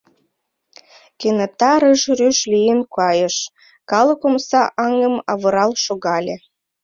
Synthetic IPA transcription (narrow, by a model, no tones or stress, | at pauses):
kenət̪ɑɾəʒryʃlʲijənkɑjəʃ | kɑlə̆komsɑʔɑŋə̆mɑβɤ̆ɾɑlʃoɣɑlʲe